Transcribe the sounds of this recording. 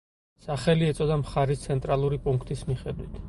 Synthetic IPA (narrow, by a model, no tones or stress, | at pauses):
saχɛliɛt̪sʼɔd̪amχaɾist̪sʰɛnt̪ʼɾalˠuɾipʼuŋkʰt̪ʼismiχɛd̪wit̪ʰ